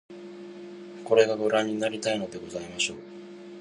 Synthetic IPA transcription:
ko̞ɾe̞ɡaɡoɾaɲ̟ːinaɾʲit̪aino̞d̪e̞ɡo̞zaimaɕo̞ː

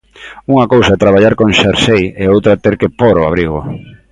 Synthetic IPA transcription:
uŋɐkowsaɛt̪ɾaβaʎaɾkõŋʃaɾsejeowt̪ɾat̪eɾkepoɾoa̰β̞ɾiɣo̰

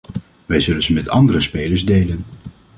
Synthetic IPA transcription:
ʋɛjzɵlənzəmɛtɑ̰ndərəspejləɹzdejlən

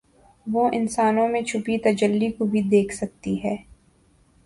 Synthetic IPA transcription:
ʋoʔɪnsaːnõmẽt͡ʃʰʊpit̪ɐd͡ʒəlːikobʱid̪eːkʰsɐk̚t̪iɦɛː

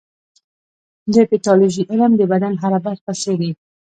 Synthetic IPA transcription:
lepiʈɑloʒiʔɪləmd̪əbad̪anɦaɾabaxt̪aʃəwi

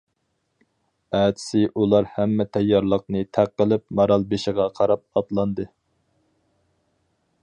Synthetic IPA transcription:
æːt̪ʰɪ̥sɪʔulˠɑɾhæmːɛt̪ʰɛjːɑɾlˠəq̚nɨt̪ʰæqːəlˠɪp̚mɑɾɑlˠbeʃɪʁɑqʰɑɾɑp̚ɑt̪lˠɑnd̪ɨ

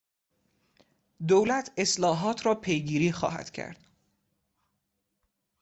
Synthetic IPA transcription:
d̪owlæt̪ʰe̞slɒːɦɒːt̪ʰɾɒːpʰe̞jɡiːɾiːxɒ̰ːɦæ̰d̪̥cʰæ̰ɾd̪̥

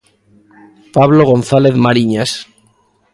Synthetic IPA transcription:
paβloɣ̞o̞nθaleθmaɾiɲas

